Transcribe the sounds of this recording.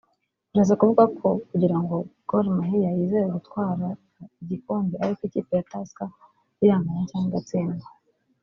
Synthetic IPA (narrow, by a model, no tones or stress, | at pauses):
uɾazakuvuɡakʰo̞kuɟiɾaŋɡo̞ɡ̥olmaɦijajiːzejeɡutkwaːɾa | iɟikoːmbiaɾikoiciːpejataska | ijaːmajacaːnɡat͡seːnda